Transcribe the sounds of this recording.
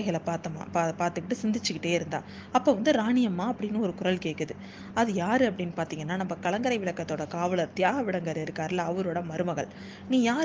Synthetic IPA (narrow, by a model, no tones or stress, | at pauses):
ɣɐɭɐpaːt̪ːɐma̰ːpapaːɾt̪ɯkːɪʈːɯsɪnd̪ɪt͡ʃːɯkɪʈːeːɪɾɯnd̪a̰ː | ɐpːoːʋɐnd̪ɯɾaːɳɪjɐmaːɐpːɐɽɪnːɯɔɾɯkʊɾɐlkeːkːɐðɯ | ɐðɯjaːɾɯɐpːɐɽɪnːɯpaːɾt̪iːŋɡɐnːaːnɐmːɐkɐɭɐŋɡɐɾɐɪʋɪɭɐkːɐt̪ːoːɽɐkaːʋɐɭɐɾt̪ɪjaːɣɐʋɪɽɐŋɡɐɾɪɾɯkːaːɾɪlːɐːʋɐɾoːɽɐmɐɾɯmɐɣɐ̰ɭ | niːjaːɾ